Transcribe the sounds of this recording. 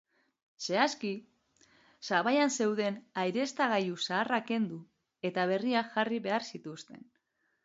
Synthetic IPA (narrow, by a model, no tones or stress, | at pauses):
se̞aski | saβajanse̞wðe̞najɾe̞st̪aɣ̞ajusaːrake̞nd̪u | e̞t̪aβ̞e̞riaʝariβe̞aɾsit̪ust̪e̞̰n